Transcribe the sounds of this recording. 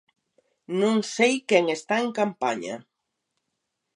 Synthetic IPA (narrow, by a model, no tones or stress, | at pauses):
nõŋsejkɛŋest̪aeŋkampa̰ɲa̰